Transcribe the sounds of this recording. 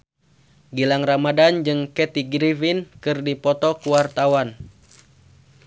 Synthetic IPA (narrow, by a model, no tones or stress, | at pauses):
ɡilaŋramadand͡ʒɨŋkɛt̪iɡɾivinkɨrdipɔt̪ɔkuwart̪awan